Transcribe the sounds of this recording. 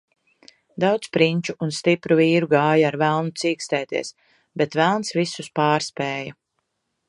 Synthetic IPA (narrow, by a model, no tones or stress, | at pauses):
d̪awt̪spɾinʲt͡ʃuunst̪ipɾuviːɾuɡaːjaaɾvælˠnut̪siːkst̪ɛːt̪iɛs | bɛt̪vælˠnsvisuspaːɾspeːja